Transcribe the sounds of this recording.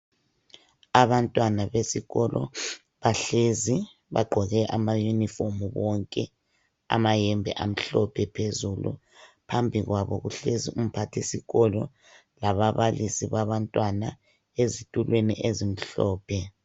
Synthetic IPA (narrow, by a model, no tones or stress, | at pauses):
aβantʼwanaβesiɣɔlʔɔ̰ | βaɬezi | βa̰ɡ͡ǃʱɔɣɛʔamajunifomuβɔŋkʼɛ | a̰majɛmbʱɛ̰ʔam̩ɬɔpʰɛpʰezulṵ | pʰambʱiɣwaβɔ̰ɣuɬezium̩pʰatʰesiɣɔlɔ | laβaβalisiβaβantʼwana | ezitʼulwenḭʔezim̩ɬɔːpʰɛ